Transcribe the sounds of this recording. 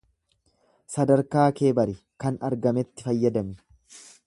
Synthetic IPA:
sɐd̪ɐɾkaːke̞ːbɐɾɪ | kɐnɐɾɡɐmɛt̪ːɪfɐjːɐd̪ɐmɪ

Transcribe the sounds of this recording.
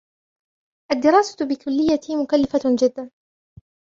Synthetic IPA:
ʔad̪ːɪɾɑːsḁt̪bɪkʊlːɪjːat̪mʊkalːɪfad͡ʒɪd̪ːan

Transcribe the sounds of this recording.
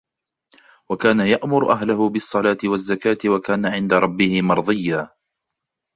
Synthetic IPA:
wakaːnajaʔmʊɾʔaɦlʊhʊbɪɑsˤːɑlaːt̪ɪwazːakaːt̪ɪwakaːnaʕɪnd̪aɾˤɑbːɪhɪmɑɾˤd̪ˤɨjːaː

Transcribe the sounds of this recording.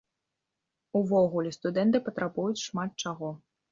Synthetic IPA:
uvɔɣulʲɛst̪ud̪ɛnt̪ɨpɐt̪ɾabujut͡sʲʂmat̪̚t͡ʂaɣɔ

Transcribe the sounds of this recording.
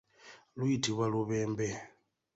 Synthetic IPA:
luitiβwaluβeːmbɛ

